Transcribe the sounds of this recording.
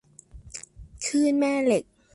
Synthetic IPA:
kʰɯː˥˩nmɛː˥˩le˨˩k̚

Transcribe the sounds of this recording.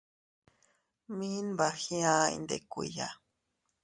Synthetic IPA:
mi˦nba˨xĩ˦ã˦ḭ˧nd̪ḛ˨kʷḭ˨ja̰˨

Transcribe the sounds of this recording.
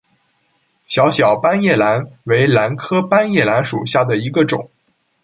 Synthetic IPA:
ɕjɑ˧˥ʊɕjɑ˨˩ʊpa˥njɛ˥˩la˧˥nwe˧˥ɪla˧˥nkʰɤ˥pa˥njɛ˥˩la˧˥nʂṵ˨˩ɕja˥˩d̪ə˩i˧˥ɡə˧ʈ͡ʂʊ̰˨˩˦ŋ

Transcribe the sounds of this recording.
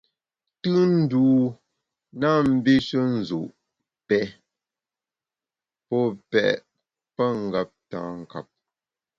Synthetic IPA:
tɯ˦n̩˦duː˨˦ | na˦˨m̩˦bi˦ʃə˦n̩˨zṵ˨ʔ | pɛ˦˨ | pɔ˦˨pɛ̰˨ʔ | pə˦ŋ˨ɡa˨p̚tã̰ː˨˦ŋ˨ka̰˨p̚

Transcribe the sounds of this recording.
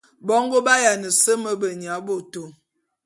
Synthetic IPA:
bɔ˦ŋɡo˦ba˦ja˨nə˨sə˦mə˦bə˨ɲ˨a˨˦bo˨to˨

